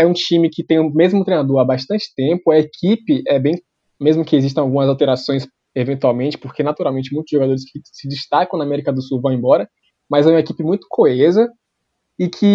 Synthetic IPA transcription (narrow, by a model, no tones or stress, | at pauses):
ɛũt͡ʃĩmɪkɪt̪ẽj̃mezmʊ̃t̪ɾejnad̪oɾabaʃt̪ɐ̃nt͡ʃɪ̥t̪ẽpʊɐekʰipɪʔɛbẽj̃ | mezmʊkɪeziʃ̬t̪ɐ̃awɡũmɐzawt̪eɾasõj̃s | evẽnt̪uawmẽnt͡ʃɪ̥poɾkenat̪uɾawmẽnt͡ʃɪmũj̃t̪ʊzʒoɡad̪oɾɪskʰɪsɪd͡ʒɪst̪akɐ̃w̃namɛɾikɐd̪ʊsuwvɐ̃w̃ẽbɔɾɐ | mɐzɛũmɐekipɪmũj̃t̪ʊ̥kʰoezɐ | ɪkʰɪ